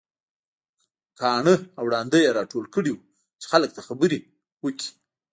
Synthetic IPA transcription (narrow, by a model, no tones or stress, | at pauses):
kɑɳəawɽɑnd̪əjaɾɑʈolkəɽiwu | t͡ʃe̥xalək̚t̪axabəɾi | wəki̥